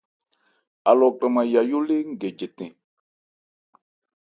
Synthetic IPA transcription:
a˨lɔ˨kɾa˨mã˨ja˨jo˦le˦ŋ̩˦˨ɡe˨d͡ʒe˨tɛ̃˨

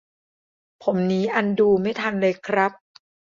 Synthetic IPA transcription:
pʰo˩˦mniː˦˥ʔa˧nduː˧ma˥˩jt̪ʰa˧nlɤː˧jkʰɾa˦˥p̚

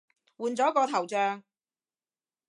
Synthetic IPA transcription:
wuː˨˧nt͡sɔː˨˥kɔː˧t̪ʰɐ˨˩wt͡sœː˧ŋ

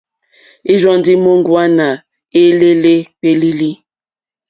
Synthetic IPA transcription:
i˦zɔ˦ndi˦mo˦ŋɡwa˦na˨ | e˦le˦le˦k͡pe˦li˦li˦

